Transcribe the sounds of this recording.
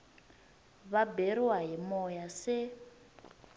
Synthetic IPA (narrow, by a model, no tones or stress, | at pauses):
βaberiwaɦimɔjase